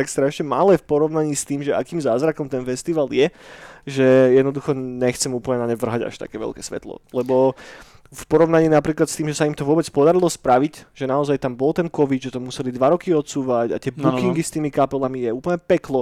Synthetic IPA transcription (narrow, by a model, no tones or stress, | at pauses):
t̪akst̪ɾaʃɲɛmalɛfpɔɾɔʊnaɲiːst̪iːmʒɛʔa̰kiːmzaːzɾakɔmt̪ɛnfɛst̪iʋaljɛʒɛjɛd̪nɔd̪uxɔɲɛxt͡sɛmuːpl̩ɲɛnaɲɛʋr̩ɦaɟa̰ʃt̪a̰kɛːʋɛ̰lkɛsʋɛ̰t̪lɔ̰lɛbɔ | fpɔɾɔʊnaɲiːnapɾiːklat̪st̪iːmʒɛsaimt̪ɔʋʊɔbɛt͡spɔd̪aɾilɔspɾaʋicʒɛnaɔzajt̪ambɔlt̪ɛnkɔʋid̪ʒɛt̪ɔmusɛlid̪ʋaɾɔkiɔt̪suːʋaɟa̰t̪ɪɛbukiŋɡist̪iːmikapɛlamijɛuːpl̩ɲɛpɛklɔ